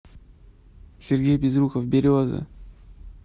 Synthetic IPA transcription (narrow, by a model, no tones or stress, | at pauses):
sʲɪrɡʲejbʲɪzɾuxəfbʲɪɾʲozɨ̰